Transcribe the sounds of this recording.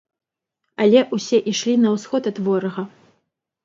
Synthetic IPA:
ɐlʲɛʔusʲɛʔiʂlʲinɐwsxɔt̪ɐt̪vɔɾɐɣɐ

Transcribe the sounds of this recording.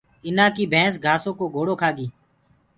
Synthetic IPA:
ɪnãːkiːbʱɛ̃ːs̬ɡʱaːsõːkoːɡʱoːɽoːkʰaːɡiː

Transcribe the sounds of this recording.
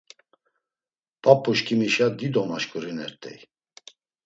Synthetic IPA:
pʼapʼːuʃkʰimiʃad̪id̪ɔmaʃkʼuɾinɛɾt̪ʼɛ̰j

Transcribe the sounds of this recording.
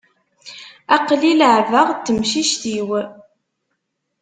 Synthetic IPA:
æqliləʕvəʁt̪ːəmʃiʃt̪iw

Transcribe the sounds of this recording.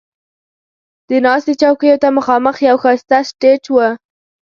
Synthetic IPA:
d̪̥ənɑst̪et͡ʃɑwkəjot̪aməxɑməxjawxast̪asʈet͡ʃwə

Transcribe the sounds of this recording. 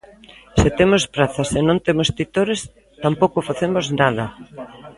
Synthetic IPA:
sɪt̪emospɾaθɐsenõnt̪emost̪it̪oɾes | t̪ampowkʊfaθemoznaðɐ

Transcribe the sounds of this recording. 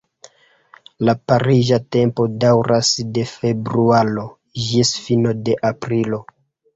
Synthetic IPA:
lapaɾiʒate̞mpo̞dawɾʔasde̞fe̞bɾualo̞ | d͡ʒisfino̞de̞ʔapɾilo̞

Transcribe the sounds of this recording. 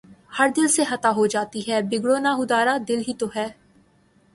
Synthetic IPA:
həɾd̪ɪlsexɐt̪aːɦod͡ʒaːt̪iɦɛːbɪɡɽoːnaːɦʊd̪aːɾaːd̪ɪlɦiːt̪oɦɛː

